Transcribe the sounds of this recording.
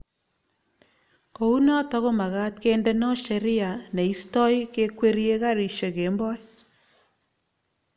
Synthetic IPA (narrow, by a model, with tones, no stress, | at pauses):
ko˨u˦nɔ˦tɔ˦ko˦ma˨ɣa˦tke˦ndɛ˦nɔ˦ʃe˨ɾɪ˦a˨ne˨i˦stɔ˦jke˦kwe˦ɾje˦ka˦ɾi˨ʃe˨ke˨˦mbɔ˦j